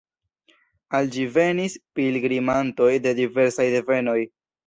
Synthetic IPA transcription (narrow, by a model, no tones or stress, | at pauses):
ald͡ʒive̞nispilɡɾimanto̞jde̞dive̞ɾsajde̞ve̞no̞j